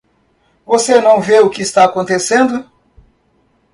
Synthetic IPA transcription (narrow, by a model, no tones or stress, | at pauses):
vosenɐ̃w̃veʊkɪːst̪aakõnt̪esẽnd̪ʊ